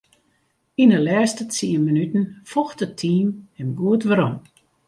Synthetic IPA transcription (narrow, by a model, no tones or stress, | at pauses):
inəlɛːstət͡siəmənytn̩fɔxtətʰːiːmɛmɡuətʋəɾɔm